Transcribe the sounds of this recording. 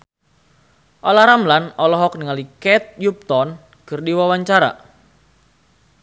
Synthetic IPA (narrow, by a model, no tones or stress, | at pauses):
ʔɔlahɾamlanɔlɔɦɔk̚niŋalikɛt̪̚jup̚t̪ɔn | kɨrdiwawaɲt͡ʃaɾa̰